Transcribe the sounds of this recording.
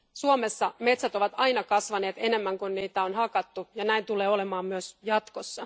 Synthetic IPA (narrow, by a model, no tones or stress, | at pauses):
suome̞sːɑmet̪sæt̪o̞ʋɑt̪ɑjnɑkɑsʋɑne̞ːt̪e̞ne̞mːæŋkunniːt̪æo̞nɦɑkɑt̪ːujɑnæint̪uleːo̞lemɑːmmyøsjɑt̪kosːɑ